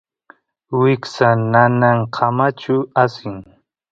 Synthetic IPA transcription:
wɪksananaŋqʰamat͡ʃʊasɪŋ

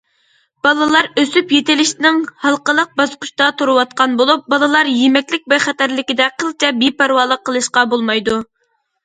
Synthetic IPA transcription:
b̥ɑlˠɨlˠɑɾøsypjet̪ɪlɪʃt̪ɪnɪŋhɑlˠqəlˠəq̚bɑsqʊ̥ʃt̪ɑt̪ʰoɾɨwɑt̪̚qɑnbolˠup̚bɑlˠɨlˠɑɾjemɛkʲlɪk̚ʲbɛχæt̪æɾlɪkʲid̪ɛqʰəlˠt͡ʃʰɛbepæɾwɑːlˠəqʰːəlˠɨʃqɑbolˠmɑjd̪u

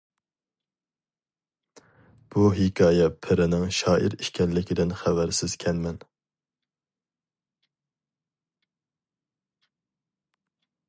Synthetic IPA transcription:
b̥uɦɪkʰʲɑːjɛpʰɪɾɪnɪŋʃɑːʔiɾiʃkʲʰɛnlɪkʲʰɪd̪ɪnχɛvæɾsɪz̥kʲʰɛnmɛn

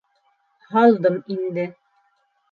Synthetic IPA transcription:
hɑlˠd̪ɤmind̪ɘ

